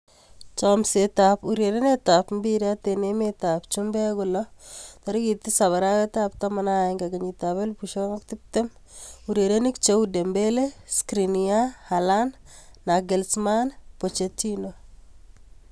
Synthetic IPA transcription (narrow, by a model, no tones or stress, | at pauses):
t͡ʃɔmsetapuɾjeɾenetapmbiɾatenemetapt͡ʃumbɛkʊlɔt̪ɔɾikit̪ɪsaβaɾawɛtap̚t̪amanaeŋɡaɡeɲitaβelpuʃɔŋaktɪk̚tem | uɾjeɾenikt͡ʃewdembeleskɾiniahalanː | aɡɛlsmanpot͡ʃetino